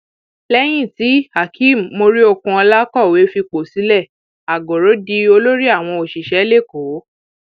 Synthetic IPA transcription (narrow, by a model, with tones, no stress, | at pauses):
lɛ˦j̃ĩ˦˨ti˨˦ha˨kʰi˦˨m̩˨mo˧ɾi˦o˧kũ˧ɔ˧la˦kɔ˦˨we˨˦fi˧k͡po˨si˨˦lɛ˦˨ | a˨ɡo˨ɾo˨˦di˧o˧lo˦ɾi˦a˦˨w̃ɔ̃˧o˨ʃi˨ʃɛ˨˦le˦˨ko˨˦